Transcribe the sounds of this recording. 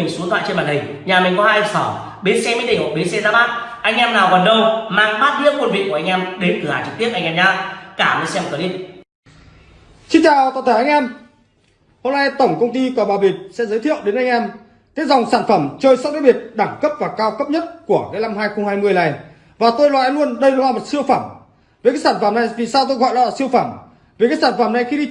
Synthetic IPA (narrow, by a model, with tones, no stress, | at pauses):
ï˨˩ŋ̟su˨˦t̪ʰwa̰ː˧˨jt͡ɕe˧nɓaː˨˩nɗï˨˩ŋ̟ɲaː˨˩mï˨˩ŋ̟kɔ˨˦haː˧jə˧˩sɔː˧˩ | ɓe˨˦sɛ˧mi˧˦ɗə˨˧˩ŋho̰˧˨ɓe˨˦sɛ˧zaː˧˥ɓaː˦˥t̚ʔa˧jŋʔɛ˧mnaː˨˩wɣə˨˩nɗə˨˧˩wmaː˧ŋɓaː˦˥t̚lḭ˧˥ənkwə˧nvḭ˧˨ŋku˧˩ʔa˧ŋ̟ʔɛ˧mɗe˨˦nt̪ɨ˨˩aː˨˩t͡ɕɨ˨˩i˦˥əp̚ʔa˧jŋʔɛː˧mɲaː˨˦˥kaː˧˩mə˨˧˦sɛ˧mkəː˨˧˦li˧˦t̚ | sï˧ŋt͡ɕaː˨˩wt̪ːt̪ʰe˧˩ʔjŋ̟ʔɛ˧m | ho˧mna˧jt̪ə˧˩wŋ͡mkə˧wŋ͡mt̪i˧kəː˨˧˩ɓaː˨˩ɓi˨˩t̚sɛ̰˧˥zə˨˦t̪ʰḭ˧˨ə˨wɗe˨˦nʔa˧ŋʔɛ˧m | t̪e˨˦˥t̚zɔ˨˩wŋ͡msaː˧˩nfə˧˩mt͡ɕəː˧jsɔ˦˥t̚ɗaː˦˥ɓi˨˩ət̚ɗaː˧˩ŋkə˦˥p̚vaː˨˩kaː˧wkə˦˥p̚ɲə˦˥t̚ku˧˩əka˨˦la˧mhɦaː˧jxə˧wŋ͡mhaː˧jmɨ˧əjla˨˩j | vaː˨˩t̪o˧jlwaː˧˩ʔlu˧ənɗə˧jnɔ˨˦wlaː˨mo˨˩t̚si˧əwfa˧˩m | veː˨˦kaː˦jsaː˧˩nfə˧˩mna˨˩jvi˨˩saː˧wt̪o˧jɣɔ̰˧˨jla˧˦laː˨˧˩si˧əwfaː˧˩m | ve˨˩kaː˨˦˥jsaː˧˩nfə˧˩mna˨˩jxi˧ɗi˧